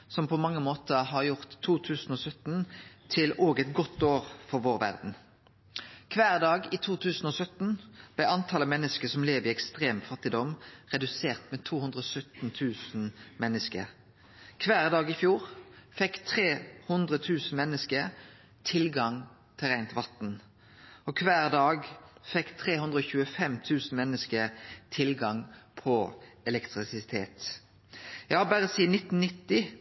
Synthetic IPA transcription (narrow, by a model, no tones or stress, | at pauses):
sɔmpʰɔmɑŋːəmoːt̪əʁɦɑʁjʊʁt̪ʰːuːt̪ʰʉːsn̩ɔːsœt̪n̩t̪ʰɪlʔoːɡɛt̪ɡɔt̪ːoːʁfɔʁʋoːʁʋæ̰ʁd̪n̩ | kʰʋæːʁd̪ɑːɡɪt̪ʰuːt̪ʰʉːsn̩ɔsœt̪n̩b̥̪æɪɑnt̪ʰɑləmɛnːəskəsɔmleːʋəʁɪɛkst̪ʁeːmfɑt̪ːɪd̪ɔmʁɛd̪ʉseːʁt̪mɛt̪ʰuːhʉnd̪ʁəɔsœt̪n̩t̪ʰʉːsn̩mɛnːəskə̰ʁ | kʰʋæːʁd̪ɑːɡɪfjuːʁfɛkːt̪ʰʁeːhʉnd̪ʁət̪ʰʉːsn̩mɛnːəskə | t̪ʰɪlɡɑŋ | t̪ʰɪlʁæɪnt̪ʋɑt̪n̩ | ʔɔkʰʋæːʁd̪ɑːɡfɛkːt̪ʰʁeːhʉnd̪ʁəɔːçʉːəfɛmt̪ʰʉːsn̩mɛnːəskət̪ʰɪlɡɑŋpʰɔɛlɛkt̪ʁɪsɪt̪ʰḛːt̪ | jæɪhɑbæːʁəsiːnɪt̪n̩nɪt̪ːɪ